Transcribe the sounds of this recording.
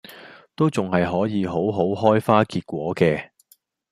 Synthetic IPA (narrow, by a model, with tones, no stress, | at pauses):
t̪o˥wt͡sʊ˨ŋhɐ˨jɦɔː˨˥jiː˨˧ɦo˨˥wɦo˨˥wɦɔː˥jfaː˥kiː˧t̚kʷwɔː˨˥kɛː˧